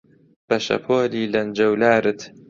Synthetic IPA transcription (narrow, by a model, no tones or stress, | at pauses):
b̥ɐʃɐ̰pʰoːliːlɐnd͡ʒɐwlaːɾɨt̪